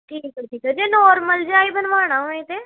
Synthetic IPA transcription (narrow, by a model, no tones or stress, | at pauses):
ʈʰiːkəʈʰiːkəd͡ʒenɔːɾməld͡ʒaːibənʋaːɽ̃aːɦoːẽt̪eː